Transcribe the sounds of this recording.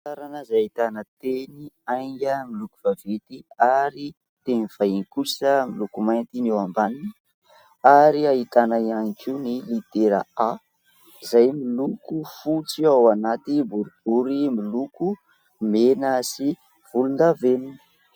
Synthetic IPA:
at̪aɾanəzaait̪anət̪eniajŋɡʲəmilukuv̥avet̪iaɾi | t̪eniv̥ajinikusəmilukumajnt̪inewambanini | aɾiait̪anaianikiunilit̪eɾa̰a | izajmilukufut͡siawanat̪ibuɾub̥uɾimiluku | menasi | v̥ulund̪avenini̥

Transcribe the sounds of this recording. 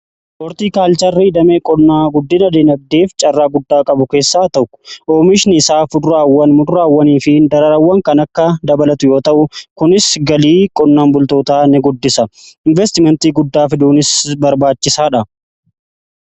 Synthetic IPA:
ɔɾt̪iːkaːlt͡ʃɐrːiːd̪ɐmeːkʼɔnːaːɡʊd̪ːɪnɐd̪eːnɐb̚d̪e̞ːft͡ʃʼɐrːaːɡʊd̪ːaːkʼɐbʊke̞ːsːaːt̪ɐkːʊ̥ʔoːmɪʃnɪɪsaːfʊd̪ɾaːwːɐnmʊd̪ʊɾaːwːɐniːfɪd̪ɐɾɐɾɐwːɐŋkɐnɐkːɐd̪ɐbɐlɐt̪ʊjo̞ːt̪ɐʔʊkʊnɪsɡɐliːkʼɔnːaːnbʊlt̪o̞ːt̪aːnɛɡʊd̪ːɪsɐɪnvɛst̪ɪmɛnt̪iːɡʊd̪ːaːfɪd̪uːnɪsbɐɾbaːt͡ʃːɪsaːᶑɐ

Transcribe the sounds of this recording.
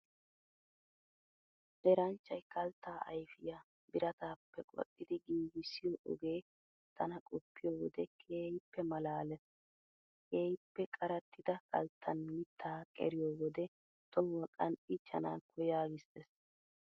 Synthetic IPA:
ʔɛɾɐnt͡ʃːɐjkɐlt̪ːaːʔɐ̰jfɪja | bɪɾɐt̪aːpːɛkʼɔ̰tʼːɪd̪ɪɡiːɡɪsɪjoʔɔ̰ɡe̞ː | t̪ɐnɐkʼɔpːɪjoːwɔd̪ɛkʰeːjɪpːɛmɐlaːlɛs | keːjɪpːɛkʼɐɾɐt̪ːɪd̪ɐkʰɐ̰lt̪ʰːɐnmɪt̪ʰːaːkʼɛ̰ɾɪjoːwɔd̪ɛ | t̪ɔwːɐkʼɐnɪt͡ʃːɐ̰naːkʰɔjaːɡɪst̪ɛs

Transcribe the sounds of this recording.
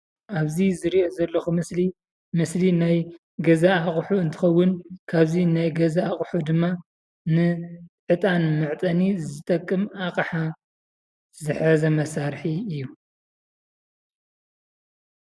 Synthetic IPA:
ʔaβzizɨɾiʔozɐlːɐxumɨsli | mɨslinaj | ɡɐzaaχʼħuɨnt̪ʰɨ̥xɐwːʊnkʰaβzinajɡɐzaːχʼħud̪ɨmːa | nɨʕɨt̪ʼanmɨʕt̪ʼɐnizɨt̪ʼɐkʼːɨmakʼɐħa | zɨħɐzɐmɐsaɾħiɨjːu

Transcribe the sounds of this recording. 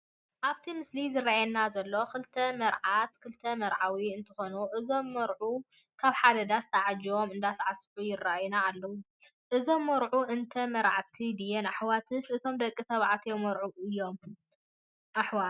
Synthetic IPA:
ʔaβt̪ʰimɨslizɨraajɛnːazɐlːo̞xɨlt̪ʰɐmɐɾʕat̪kʰɨlt̪ʰɐmɐɾʕawiɨnt̪ʰɐ̥xonuʔɨzo̞mːɐɾʕu | kʰaβħad̪ɐd̪ast̪ʰaʕad͡ʒomɨnd̪asʕasħujɪrːaajunaːlːɐwu | ʔɨzo̞mːɐɾʕuʔɨnt̪ʰɐmɐɾʕat̪ʰid̪ijɛnaħwat̪ʰɨsɨt̪ʰo̞md̪ɐkʼːit̪ʰɐβʕat̪ʰjomːɐɾʕuɨjːo̞m | ʔaħwa

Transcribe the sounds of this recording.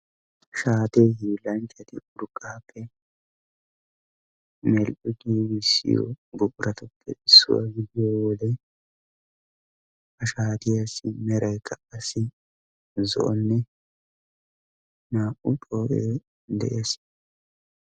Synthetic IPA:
ʃaːt̪eːhiːlɐnt͡ʃʼːɐt̪ɪʊɾkʼːaːpʰːɛ | mɛlʔʊɡiːɡɪsːɪ̰jɔ̰bʊʔʼʊɾɐt̪ɐpʰːɛ̰ɪsːʊ̰wɐ̰ɡɪdɪjoːwɔlɛ | ʔɐʃaːt̪ɪjasɪmɛɾɐjkʰʼːɐʔɐsɪ | zɔ̰ʔɔnːɛ | naːʔʊt̪ʼoːʔeː | d̪ɛ̰ʔeːs

